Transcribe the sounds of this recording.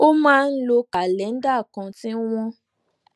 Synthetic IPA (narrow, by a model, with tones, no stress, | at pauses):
o˦mãː˦˧n̩˦lo˧ka˨lɛ˨˦n̩˦da˦˨kã˧tĩ˦w̃ɔ̃˦